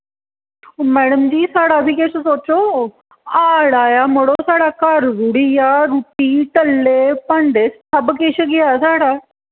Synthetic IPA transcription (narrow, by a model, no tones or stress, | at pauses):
mɛːɽəmd͡ʒiːsaːɽaːbʱiːkeʃəsoːt͡ʃoː | aːɽaːjaːməɽoːsaːɽaːkaːɾɡuɽijaːɾuːpiːʈəlːeːpə̃ɳɖeːst̪ʰəbkeʃəɡɪjaːsaːɽaː